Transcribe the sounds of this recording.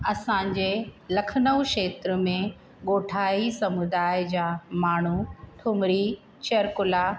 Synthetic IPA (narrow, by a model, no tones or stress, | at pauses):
ɐsãɲd͡ʑelɐkʰnəwʃeːt̪ɾəmẽ | ɠoːʈʰaːisɐmʊd̪aːɪd͡ʑaːmaːɳ̤uʈʰʊmɽi | t͡ɕɐɾkʊla